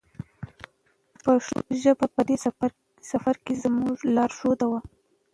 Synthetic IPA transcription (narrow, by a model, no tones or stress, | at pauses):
pəʒəbapəd̪e | safaɾkezmuʐlɑɾʂod̪awa